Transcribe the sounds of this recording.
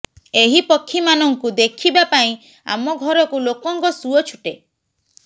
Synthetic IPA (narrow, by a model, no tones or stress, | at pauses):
eɦipɔkʰːimanɔŋkud̪ekʰibapaĩ | a̰mɔɡʱɔɾɔkulokɔŋkɔsuɔt͡ʃʰuʈe